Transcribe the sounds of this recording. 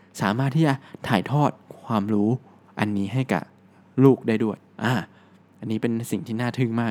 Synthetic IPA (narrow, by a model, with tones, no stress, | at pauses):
saː˩˦maː˥˩t̪ʰːiː˥˩t͡ɕa˨˩t̪ʰaː˨˩˦jt̪ʰɔː˥˩t̪̚kʰwaː˧mɾuː˦˥ | ʔa˧nːiː˦˥ɦa˥˩jka̰˨˩ | luː˥˩k̚daː˥˩jdu˥˩əjʔaː˧˩ | ʔa˧nːiː˦˥pe˧nsi˨˩ŋt̪ʰiː˥˩naː˥˩t̪ʰɯ˥˩ŋmaː˥˩